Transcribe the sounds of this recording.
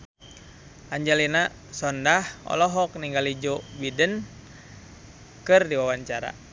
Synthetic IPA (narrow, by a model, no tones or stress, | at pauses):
aɲd͡ʒalina | sɔndahɔ̰lɔɦɔk̚niŋɡalid͡ʒɔbidən | kɨrdiwawaɲt͡ʃaɾa̰